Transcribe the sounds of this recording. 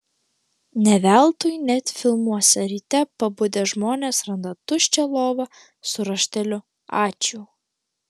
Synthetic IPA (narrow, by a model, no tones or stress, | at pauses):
nʲɛʋʲæˑlˠt̪ʊjnʲɛt̪ʲfʲɪlˠmuɔsʲɛɾʲiːt̪ʲɛpɐbʊd̪ʲeʒmoːnʲeːsɾɐnd̪ɐt̪ʊʃʲt͡ʃʲɛlˠoːʋɐ | sʊɾɐʃʲt̪ʲɛlʲʊ | ɑːt͡ʃʲuː